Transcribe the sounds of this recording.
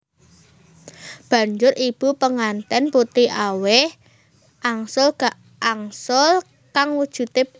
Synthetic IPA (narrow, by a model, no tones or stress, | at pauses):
b̥a̤ɲd͡ʒʊɾʔib̥upəŋant̪ɛnput̪iawɪh | ʔaŋsʊlɡa | ʔaŋsʊl | kaŋwud̥ʒ̥ṳt̪e